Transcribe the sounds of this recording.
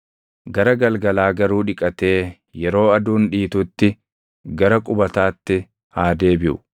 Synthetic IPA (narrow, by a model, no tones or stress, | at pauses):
ɡɐɾɐɡɐlɡɐlaːɡɐɾuːᶑɪkʼɐt̪e̞ː | jɛɾo̞ːɐd̪uːnᶑiːt̪ut̪ːɪ | ɡɐɾɐkʼʊbɐt̪aːt̪ːɪ | haːd̪e̞ːbɪʔʊ̰